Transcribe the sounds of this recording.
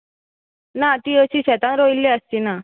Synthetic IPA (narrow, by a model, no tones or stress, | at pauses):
nat̪iːəɕiːɕɛt̪ãnɾoilːeəst̪iːna